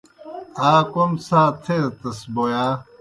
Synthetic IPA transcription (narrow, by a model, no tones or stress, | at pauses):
aːkomsaːt̪ʰeɾt̪ɐsbojaː